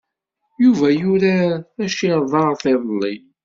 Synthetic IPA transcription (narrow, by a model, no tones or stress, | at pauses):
juvæjuɾæθæʃiɾðˤɑʁθɪðˤəlːi